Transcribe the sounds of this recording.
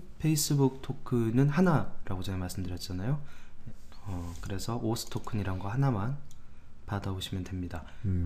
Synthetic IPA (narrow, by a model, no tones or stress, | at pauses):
pʰe̞is͈ɯbuk̚tʰokʰɯnɯnhanaɾʔaɡot͡ɕanemaɭs͈ɯmdɯɾjʌt̚t͡ɕ͈anajo | ʌkɯɾe̞sʰʌʔosʰɯ̥tʰokʰɯɲiɾanɡʌhanaman | padaboɕʰimjʌndwemɲida